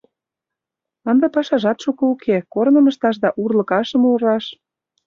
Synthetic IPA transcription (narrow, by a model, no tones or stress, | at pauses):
ɤnd̪epɑʃɑʒɑt̪ʃukɤukʰekornə̆mə̆ʃt̪ɑʃd̪ɑʔurlɤ̆kɑʃə̆muɾɑʃ